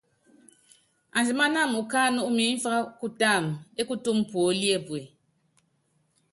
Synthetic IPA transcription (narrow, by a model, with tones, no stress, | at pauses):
a˨n˨zɨ˨ma˦na˦˨mu˨kaː˦nu˦ʔu˦m˨e˨˦m̩˦fa˦ɣa˦ku˦ta˦˨me˦ku˦tu˦m˦pwo˨˦li˦e˦˨bwe˨